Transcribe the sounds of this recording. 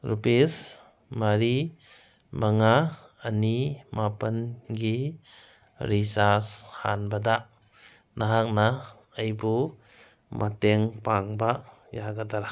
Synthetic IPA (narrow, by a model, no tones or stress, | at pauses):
ɾupes | maɾi | maŋaːnimapanɡi | ɾisasha̰nbada | naɦak̚na | əjbu | mʔateŋpaŋba | jaɡadaɾa